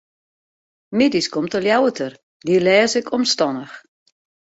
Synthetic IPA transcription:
mɪdiskɔmtəljawətʰər | diəlɛːsɪkʰɔmstɔnəx

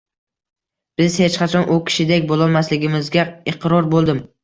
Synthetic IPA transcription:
b̥ɪz̥het͡ʃqʰɑt͡ʃʰɒnʔʊkʲʰɪ̥ʃɪd̪ekʲbolˠɒlˠmaslɪɡʲɪmɪzɡʲaɪqɾɒɾbolˠd̪ɪm

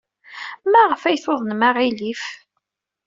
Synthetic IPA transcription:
mæʁəfæjθoðˤnmaʁilif

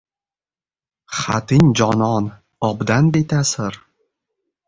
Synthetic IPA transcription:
χat̪ɪŋʲd͡ʒɒnɒn | ɒbd̪anbet̪ʰasɪɾ

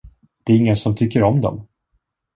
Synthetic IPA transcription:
d̪̥ɛæɾɪŋːənsɔmt̪ʰʏkːəɾɔmd̪ɔ̰m

